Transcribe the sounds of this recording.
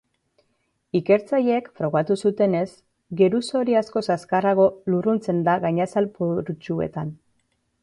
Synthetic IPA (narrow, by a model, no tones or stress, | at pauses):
ike̞ɾt͡saʎekfɾo̞ɣat̪usut̪e̞ne̞s | ɡe̞ɾuso̞ɾiasko̞saskaraɣ̞o̞lurunt͡se̞nd̪aɣajɲasalpoɾut͡ʃue̞̰t̪an